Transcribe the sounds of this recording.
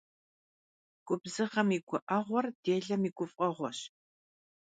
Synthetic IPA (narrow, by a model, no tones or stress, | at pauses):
kʷʼʊbzɨχɐmiːɡʷʰʊʔɐʁʷɔrd̥eːɮɐmiːɡʷʼʊfqʼɐʁʷɔɕ